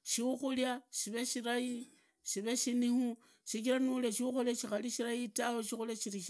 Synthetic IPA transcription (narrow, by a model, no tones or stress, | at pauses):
ʃiuxuljaʃiβe̞ʃiɾaji | ʃiβe̞ʃinihu | ʃik̬iɾanuleʃiuxulaʃixaliʃiɾaitaweʃixulaʃiɾiʃ